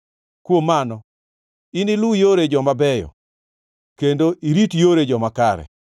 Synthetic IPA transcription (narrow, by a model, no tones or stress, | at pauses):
kwomanɔ | inɪlʊjoɾed͡ʒɔmabɛjɔ̰ | kendoʔiɾitjoɾed͡ʒɔmakaɾɛ̰